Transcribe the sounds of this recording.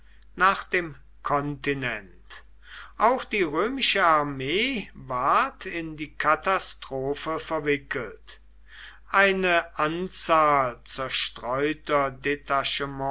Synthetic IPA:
naːχd̥eːm | kʰɔntinɛnt | ʔaʊxd̥iːʁøːmɪʃəaɐmeːvaɐtʰɪndiːkʰatastʁ̥oːfəfɛɐvɪkəlt | ʔaɪnəʔant͡saːlt͡sɛɐʃtʁ̥ɔʏtɐdetaʃəmɔ̃

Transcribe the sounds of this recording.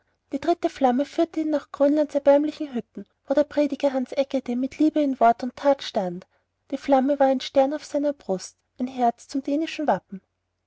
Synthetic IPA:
d̥iːdʁɪtəflaməfyːɐtəiːnːaχɡ̥ʁyːnlantsɛɐbɛɐmlɪçŋ̩ɦʏtn̩voːɾeːɐpʁ̥eːdɪɡɐɦansʔɛkədemɪtʰliːbəɪnvɔɐtʊntʰːaːtʃtant | d̥iːflaməvaːɐæɪnʃtɛɐnaʊfsaɪnɐbʁʊst | ʔæɪnɦɛɐt͡st͡sʊmd̥eːnɪʃn̩vapm̩

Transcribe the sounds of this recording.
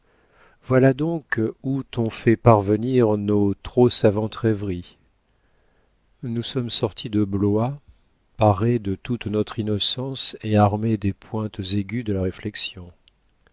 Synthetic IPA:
vwalad̪ɔ̃kut̪ɔ̃fɛpaʁvəniʁnot̪χosavɑ̃t̪ʁɛvʁi | nusɔmsɔʁt̪ʰid̪əblwa | paʁed̪ət̪ut̪nɔt̪χinɔsɑ̃seaʁmed̪epʰwɛ̃t̪zeɡʲyd̪əlaʁeflɛksjɔ̃

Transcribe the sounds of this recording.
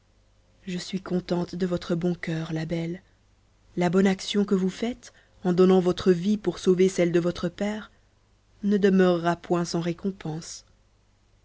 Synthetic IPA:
ʒəsɥikɔ̃t̪ɑ̃t̪d̪əvɔt̪χəbɔ̃kœːʁlabɛlː | abɔnaksjɔ̃kəvufɛt̪ | ɑ̃d̪ɔnɑ̃vɔt̪χəvipuʁsovesɛld̪əvɔt̪χəpɛːʁ | nəd̪əmœʁːapwɛ̃sɑ̃ʁekɔ̃pɑ̃s

